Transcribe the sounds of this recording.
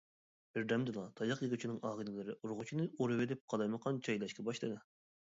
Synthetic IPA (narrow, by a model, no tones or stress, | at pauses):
b̥ɪɾd̪ɛmd̪ɨlˠɑt̪ʰɑjɑqjeɡut͡ʃʰinɨŋɑːʁɨlɪlˠɨɾɪʔuɾʁʊt͡ʃʰinɨoɾɨwɪd̪ɪp̚qʰɑlˠɑjməqʰɑnt͡ʃʰɑjlˠɑʃkʲʰɛbɑʃlˠɨd̪ɨ